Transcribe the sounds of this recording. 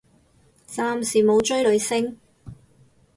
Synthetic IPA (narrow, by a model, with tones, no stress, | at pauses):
t͡saː˧msiː˨˩mo˨˧wt͡ʃɵ˥ɥlɵ˨˧ɥsɪ˥ŋ